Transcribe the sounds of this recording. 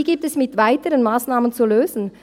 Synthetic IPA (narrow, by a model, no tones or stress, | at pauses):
iɡiːp̚tɛsmɪtv̥aɪtəɾənmaːsnaːmənt͡suløːzn̩